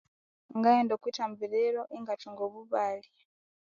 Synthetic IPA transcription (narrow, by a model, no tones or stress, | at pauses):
ŋɡajendokwitambiɾeɾoʔiŋɡatuŋɡoβuβali